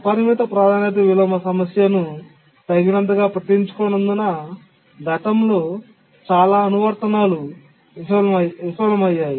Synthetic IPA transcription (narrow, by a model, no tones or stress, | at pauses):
ɐpɐɾimit̪ɐpɾaːd̪ʱaːnɐt̪ɐʋilɐmɐsɐmɐsjɐnu | t̪ɐjɡinɐnt̪ɐɡaːpɾɐt̪iɲt͡ʃu̥kɔːnɐnd̪unɐ | ɡʱɐʈ̪ɐmlo̞ː | t͡ʃaːlaːɐnuʋɐɾt̪ɐnaːlu | ʋisʋɐɐmɐʋiʃʋɐlɐmɐjːaːji